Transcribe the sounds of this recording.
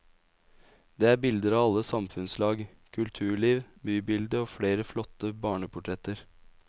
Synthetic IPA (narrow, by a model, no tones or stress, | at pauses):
d̪eːæːɾbɪld̪əɾɑːʋɑlːəsɑmfʉnslɑːɡ | kʰʉlt̪ʰʉːɭiːʋ | byːbɪld̪əoːfɽeːɾəflɔt̪əbɑːɳəpʰʊʈʰɾɛt̪əɾ